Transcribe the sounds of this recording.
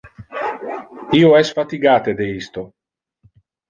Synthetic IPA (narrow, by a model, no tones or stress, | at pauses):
iːoɛsfat̪iɡaːt̪ed̪eist̪o